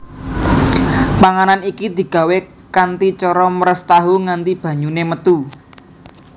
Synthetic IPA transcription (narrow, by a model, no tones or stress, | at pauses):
paŋananikid̪̥i̤ɡ̥ä̤we | kant̪it͡ʃɔɾɔməɾəst̪aɦuŋant̪ib̥ä̤ɲunemət̪u